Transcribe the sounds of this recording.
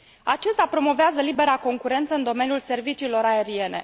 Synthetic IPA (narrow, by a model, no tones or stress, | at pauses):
at͡ʃest̪apɾo̞mo̞veazəlibe̞ɾako̞ŋkuɾe̞nt̪səɨnd̪o̞me̞niulse̞rvit͡ʃiːlo̞ɾae̞ɾie̞ne̞̰